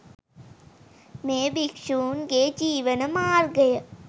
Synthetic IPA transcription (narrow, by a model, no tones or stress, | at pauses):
meːbikʂuːnɡeːd͡ʒiːʋənəmaːɾɡəjə